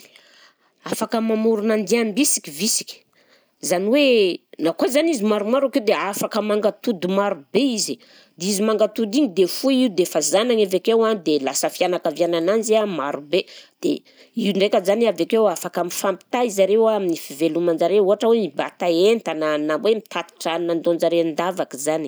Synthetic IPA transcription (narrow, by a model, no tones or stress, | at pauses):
afakəmamuɾunand̪iambisi̥kʲivisi̥kʲi̥ | zaniwenakozanizimaɾumaɾakewd̪eafakəmaŋɡat̪ud̪umaɾubeizi | d̪eizimaŋɡat̪ud̪iŋid̪efuid̪efazanaŋavekewad̪elasəfianakavjanananzamaɾubed̪̥ḛ | iɳɖ͡ʐekəzaniavekewafakamifampi̥t̪aizaɾewaaminifivelumand͡ʒaɾeuɦaʈ͡ʂəwemiba̰t̪aent̪ananabwemit̪at̪i̥ʈ͡ʂaninand̪ond͡ʒaɾeand̪avakizani̥